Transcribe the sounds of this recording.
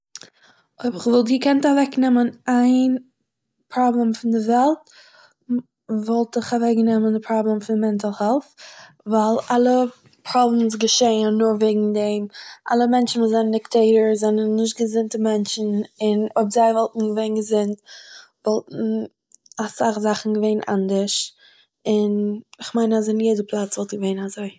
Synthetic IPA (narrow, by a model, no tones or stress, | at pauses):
oɪbɪχvɔlˠt̬ɡəkɛntavɛknɛmənaɪn | pɾɔblˠɛmfɪndɪvɛlˠt | vɔlˠtɪχavɛknɛməndɪpʰɾɔblˠɛmfɪndmɛntalˠhɛlˠf | vaɪlˠalˠə | pɾɔblɛmsɡəʃeɪənːʊɾveɪɡŋ̩dɛmʔa̰lˠəmɛnt͡ʃn̩mɪzɛnənɪktʰeɪɾəɹzɛnənːɪʃ̬tɡəzɪntəmɛnt͡ʃn̩ɪnɔbzaɪvɔlˠtn̩ɡəveɪnɡəzɪntvɔlˠtn̩ | asaχzaχn̩ɡəveɪnʔa̰ndəɾʃ | ɪnɪχmaɪnazɪnjɛdəpʰlˠat͡svɔlˠtɡəveɪnazoɪ